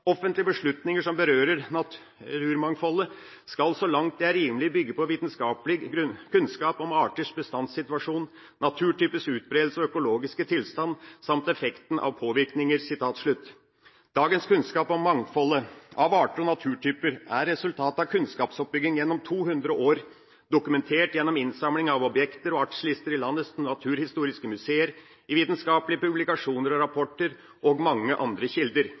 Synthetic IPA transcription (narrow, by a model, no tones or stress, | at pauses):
ɔfənt̪lɪəbəʂɭʉt̪nɪŋəʂɔmbəɾøːɾəɾɑ | ʉːɾmɑŋfɔlːə | skɑlsɔlɑŋt̪̚d̪ɛæɾiːnlɪbʏɡːəpʰɔʋiːt̪nskɑːpəlɪkʉnskɑːpɔmɑːʈəʂbəst̪ɑnsɪt̪ʋɑʂuːn | nɑt̪ʰʉːʈyːpəsʉːt̪̚bɾeːd̪l̩səɔœkʊloːɡɪskət̪ʰɪlst̪ɑnsɑmt̪ɛfɛkt̪n̩ʔɑ̰ʋpʰoːʋɪɾknɪŋəɾsɪt̪ʰɑːt̪ʂɭʉt̪ː | d̪̥ɑːɡənskʰʉnskɑːpɔmmːɑŋfɔlːəɑʋɑːʈəɔnɑt̪ʰʉːʈʰyːpəɾæɾːɛsʉlt̪ʰɑːt̪ɑʋkʰʉnskɑːpsɔp̚bʏɡ̪ɪŋjɛnːɔmt̪ʰuːɦʉnd̪ɾəʔoːɾ | d̪ʊkʉmɛnt̪ʰeːʈjɛnːɔmɪnsɑmlɪŋɑʋɔbjɛkt̪əɾɔɑkʂəlɪst̪əɾɪlɑnːəsnɑt̪ʰʉːɾhɪst̪uːɾɪskəmʉseːəɾ | ɪʋiːt̪nskɑːplɪəpʉblɪkɑʂuːnəɾɔɾɑpʰɔʈːəɾ | ʔɔɡmɑŋːəʔɑnd̪ɾəçɪld̪əɾ